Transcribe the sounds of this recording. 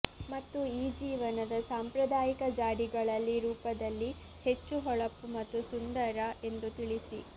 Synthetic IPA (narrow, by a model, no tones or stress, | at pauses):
mɐt̪ːuiːd͡ʒiːʋɐnɐd̪ɐsaːmpɾɐd̪aːjikɐd͡ʒaːɽiɡɐɭɐlːiɾuːpɐd̪ɐlːi | he̞t͡ʃːuɦɔɭɐpːumɐt̪ːusund̪ɐɾɐʔe̞nd̪ut̪iɭisi